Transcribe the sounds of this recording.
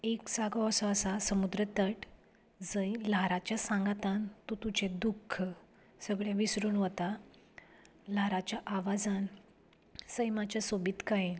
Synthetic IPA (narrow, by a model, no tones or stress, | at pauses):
eksaɡasɔəsasəmud̪ɾət̪əʈ | d͡zəjlaɾat͡ɕjasãŋɡat̪ãnt̪ut̪ut͡ɕed̪ukʰːə | səɡɭjaʋisɾuːnʋət̪a | laɾat͡ɕjaʔaʋad͡zan | səjmat͡ɕjasobit̪kai